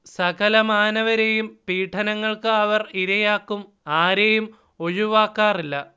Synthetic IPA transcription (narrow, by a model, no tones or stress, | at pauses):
sɐkɐlɐmaːnɐʋɐɾe̞jumpiːʈʰːɐnɐŋːɐɭkɨɐʋɐriɾɐjaːkːum | aːɾe̞jum | o̞ɻuʋaːkːaːrilːɐ